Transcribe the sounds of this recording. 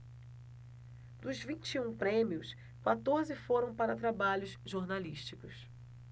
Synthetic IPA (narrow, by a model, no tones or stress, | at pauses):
d̪ʊzvĩnt͡ʃiũpɾẽmiʊs | kwat̪oɾzɪfoɾɐ̃w̃paɾɐt̪ɾabaʎʊzʒoɾnaliʃt͡ʃikʊs